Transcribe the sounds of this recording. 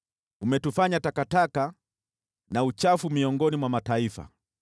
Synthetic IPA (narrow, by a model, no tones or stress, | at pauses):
umɛtufaɲatakataka | naut͡ʃafumiɔŋɡɔnimwamataifa̰